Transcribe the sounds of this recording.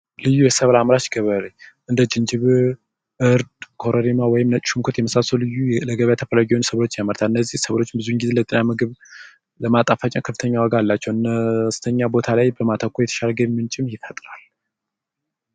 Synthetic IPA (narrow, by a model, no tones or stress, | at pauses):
lɨjːujɛsəβlamɾat͡ʃɡəβəɾeʔɨnd̪əd͡ʒɪnd͡ʒɪβ | ʔɨɾd̪kʰoɾəɾimawɔjɪmnət͡ʃʼʃumkʰot̪jɛməsasowlɨjːuləɡəβjat̪ʰəfəlaɡiwonsəβlo̞t͡ʃːjaməɾt̪ʰalɨnːəzːihsəβlo̞t͡ʃːbɨzuŋɡize̞lət̪ʼinamɨɡɨβ | ləmat̪ʼafat͡ʃʼɛnkʰəfɨt̪ʰəɲːawəɡalːat͡ʃːɛwɨnəst̪ʰəɲːabo̞t̪ʰalajbəmat̪ʰəkʰːojɛt̪ʰə̥ʃalɡəmːɨnt͡ʃʼɪmjɪfət̪ʼɾal